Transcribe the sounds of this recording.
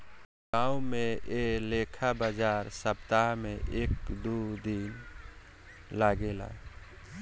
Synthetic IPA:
ɡãːumẽeleːkʰabaːd͡ʒaːɾsəbt̪aɦmẽʔekd̪ud̪in | laːɡela̰ːe

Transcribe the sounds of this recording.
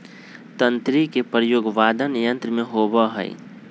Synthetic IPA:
t̪ə̃nt̪ɾikepɾəjoːɡʋaːd̪ʱənjə̃nt̪ɾmẽɦoːbəɦə̰ɪ̰

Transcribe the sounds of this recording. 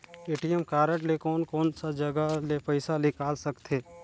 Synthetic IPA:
eːʈijəmkaːɾəʈlekɔːnkɔːnsad͡ʒɐɡalepəɪsalɪkaːlsɐkt̪ʰeː

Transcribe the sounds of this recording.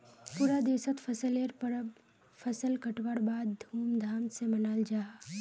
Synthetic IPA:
puɾad̪eːsət̪fʰɐsəleɾpɾ | fʰɐsəlkɐʈwəɽbaːd̪ːʱuːmd̪ʱaːmsemɐnaːld͡ʒaː

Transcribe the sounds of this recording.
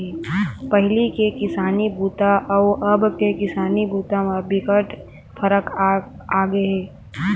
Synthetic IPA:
ɛːpɐɦɪlikekɪsaːnibuːt̪aʔɔːʔəbkekɪsaːnibuːt̪amebɪkəʈ | fʰəɾək | aːɡəeɦɛː

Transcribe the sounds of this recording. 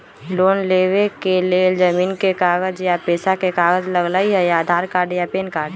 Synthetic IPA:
loːnleːwekeleːld͡ʒəmiːnkekaːɡəd͡ʒjapeːsakekaːɡəd͡ʒləɡlaːiɦɛjaːd̪ʱaːɾkaːɾɖjapeːnkaːɾɖ

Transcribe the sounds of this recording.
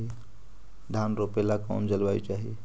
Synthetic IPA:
i | d̪ʱanɾopelaka̰md͡ʒəlbajt͡ʃaɦḭ

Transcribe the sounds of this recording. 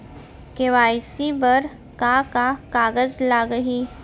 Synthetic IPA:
keʋaːjsibɐɾ | kakakaːɡəzlaɡəɦi

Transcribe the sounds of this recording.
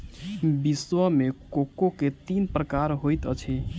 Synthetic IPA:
biswəmekokoket̪inpɾəkaɾɦojt̪ət͡ʃʰɛ

